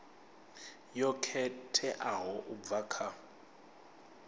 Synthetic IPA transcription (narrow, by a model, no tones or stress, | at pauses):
jɔkʰɛtʰɛʔaɦɔʔub̪vakʰa